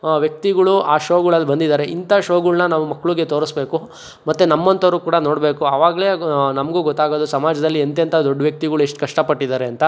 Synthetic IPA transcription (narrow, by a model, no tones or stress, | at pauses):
ʋjɐk̚t̪iɡɐɭuʔaːʃoːɡuɭɐlːbɐnd̪id̪aːɾe̞int̪aʃoːɡuɭnɐnaːʋumɐkːɐɭuɡe̞t̪oːɾɐsbeːku | mɐt̪ːunɐmːɐnt̪ɐʋɾuːkuːɽɐno̞ːɽbe̞ːkuɐʋaːɡɐle̞ːnɐmɐɡuːɡɔt̪ːaːɡoːd̪usɐmaːd͡ʒɐd̪ɐlːient̪ent̪ʰɐd̪oɖːɐʋjɐk̚t̪iɡɐɭueʂʈkɐʂʈɐpɐʈːid̪aːɾe̞ɐnt̪ɐ